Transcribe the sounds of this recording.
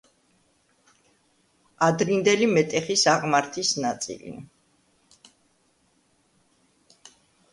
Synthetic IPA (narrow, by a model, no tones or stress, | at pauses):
ad̪ɾind̪ɛlimɛt̪ʼɛχisaʁmaɾt̪ʰisnat̪sʼḭlḭ